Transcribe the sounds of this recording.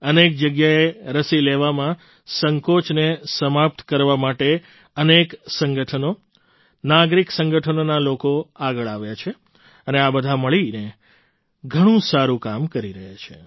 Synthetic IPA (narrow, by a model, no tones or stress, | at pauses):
ənek̚d͡ʒəɡjaeɾəsileʋamã | səŋkot͡ʃnesəmap̚t̪kəɾʋamaʈe | əneksəŋɡəʈʰəno | naɡɾiksə̃ŋɡəʈʰənonalokoaɡəɭaʋjat͡ʃʰe | əneabəd̪ʱaməɭine | ɡʱəɽ̃ũsaɾũkamkəɾiɾəɦat͡ʃʰe